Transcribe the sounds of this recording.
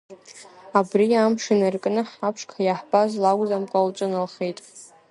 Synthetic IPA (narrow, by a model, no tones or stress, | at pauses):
abrijamʂɨnarkʼnɨħapʰʂkʰajaħb̥azlaɡʷʼzamkʷʼawt͡ʃʷʼʊnalχejtʼ